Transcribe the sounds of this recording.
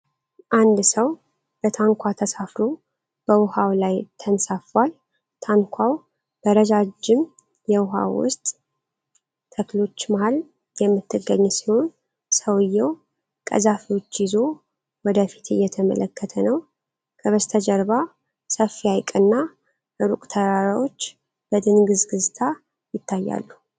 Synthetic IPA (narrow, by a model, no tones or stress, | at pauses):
ʔand̪səw | b̥ət̪ʰaŋkʰʷat̪ʰəsafɾo | b̥əwʊhawlajt̪ʰənsafal | t̪ʰaŋkʷʰaw | b̥əɾəd͡ʒad͡ʒɪm | jɛwʊɦa̰wːʊ̰st̪ʼ | əklo̞t͡ʃːmahal | jɛmːɨt̪ʰːɨɡːəɲːsi̥ho̞n | səwɨjːɛw | kʼə̰zafiwo̞t͡ʃːjɪzo̞ | wɔd̪əfi̥t̪ʰɨ̰jːɛt̪ʰəmə̰ləkʰːət̪ʰənəw | kʰəβəst̪ʰəd͡ʒəɾba | səfːiajkʼɨnːa | ʔɨɾukʼt̪ʰəɾaɾawo̞t͡ʃː | b̥əd̪ɨnɡɨzɡɨzt̪ʰa | jɪt̪ʰːajːa̰lːu